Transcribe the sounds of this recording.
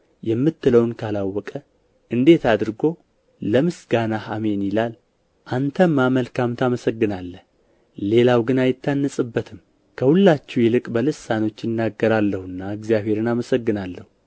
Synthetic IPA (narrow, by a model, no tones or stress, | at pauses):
jɛmːɨt̪ːɨləwnkʰalawːɔkʼə | ʔɨnd̪e̞t̪ad̪ɨɾɡo̞ | ləmɨsɡanahame̞njɪlal | ʔant̪ʰəmːaməlkamt̪ʰaməsəɡːɨnalːəh | le̞lawɡɨnajɪt̪ʰːanːəsʼɨbːət̪ʰɨm | kʰəhulːat͡ʃːɛwjɛlɨkʼbəlɨsːano̞t͡ʃːjɪnːaɡːəɾalːəhɨnːaɨɡzijaβe̞ɾɨnaməsəɡːɨnalːəhu